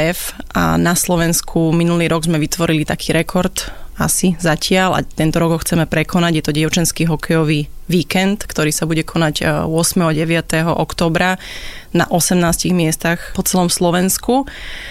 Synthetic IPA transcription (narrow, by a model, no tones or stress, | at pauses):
ɛfa̰naslɔʋɛnskʰuminuliːɾɔɡzmɛʋit̪ʋɔɾilit̪akʰi̥ːɾɛkʰɔɾt̪a̰sizacɪala̰t̪ɛnt̪ɔɾɔɡɦɔxt͡sɛmɛpɾɛkʰɔnaɟjɛt̪ɔɟɪɛʊt͡ʃɛnskiːɦɔkʰɛjɔʋiːʋiːkɛnt̪kt̪ɔɾiːsabuɟɛkʰɔnaɟʊɔsmɛɦɔɟɛʋɪat̪ɛɦɔʔɔkt̪ɔːbɾa | na̰ʔɔsɛmnaːsciɣmɪɛst̪axpɔt͡sɛlɔmslɔʋɛnsku